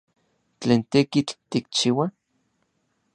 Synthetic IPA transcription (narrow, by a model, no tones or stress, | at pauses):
t͡ɬeːnt̪ekit͡ɬt̪ik̚t͡ʃiwa